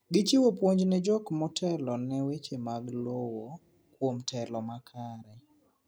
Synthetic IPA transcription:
ɡɪt͡ʃiwopwoɲd͡ʒnɪd͡ʒɔkmɔtʰɛlɔnɛwet͡ʃemaɡlowo | kwomtʰɛlɔmakʰaɾɛ

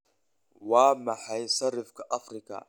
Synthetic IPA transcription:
waːmaħajsɐɾɪfkaʔafɾɪka̰

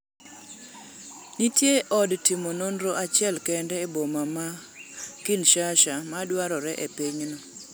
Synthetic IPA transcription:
nitjeʔɔdtimononɾoʔat͡ʃɪɛlkɛndɛːbomama | kinʃaʃamadwaɾɔɾɛʔepiɲno

